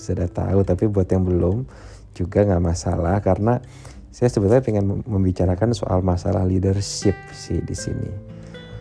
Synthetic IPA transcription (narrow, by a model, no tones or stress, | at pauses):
sudaht̪a̰ut̪apibuat̪jaŋbəlʊm | d͡ʒuɡaŋɡaʔmasa̰lahkarəna | sajasəbət̪apɛŋanməmbit͡ʃaɾakanso̰ʔa̰lmasa̰la̰hlidərʃɪp̚sɪhdḭsḭnḭ